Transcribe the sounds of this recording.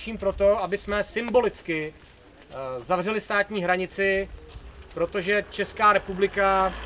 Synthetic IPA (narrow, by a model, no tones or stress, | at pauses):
ʃiːmpɾo̞t̪o̞ʔabɪsmɛsɪmbo̞lɪt͡skɪ | zavr̝ɛlɪst̪aːt̪ɲiːɦɾaɲɪt͡sɪ | pɾo̞t̪o̞ʒɛt͡ʃɛskaːɾɛpublɪka